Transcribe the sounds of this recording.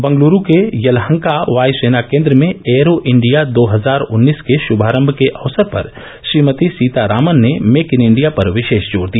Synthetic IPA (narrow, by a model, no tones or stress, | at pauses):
bɐ̃ŋɡluːɾũkejɐlɦə̃ŋkaʋaːjseːnakẽːnd̪ɾəmẽeːɾoʔɪ̃ɳɖijad̪oːɦɐzaːɾʊnːiːskeʃʊbʱaːɾə̃mbʱkeʔɐʋsəɾpɐ̰ɾ | ʃɾiːmət̪isiːt̪aɾaːmənːemeːkɪnɪ̃ɳɖijapɐɾʋɪʃeːʃd͡ʒoːɽd̪ija